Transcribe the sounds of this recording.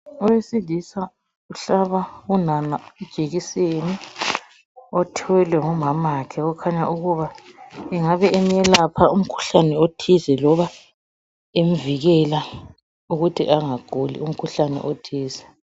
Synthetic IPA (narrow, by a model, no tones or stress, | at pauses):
ɔwesilisa | uɬaβaunanaɛd̥ʒ̥ʱeɣiseni | ɔtʰiwɛlwɛŋɔmamakʰɛɣɔkʰaɲaʔuɣuβaɛŋaβɛemɛlapʰaum̩kʰu̥ɬanɛotʰizɛlɔβa | em̩viɣɛla | uɣutʰḭʔaŋaɡ̥ʱulḭum̩kʰuɬanɛ̰ʔotʰiːzɛ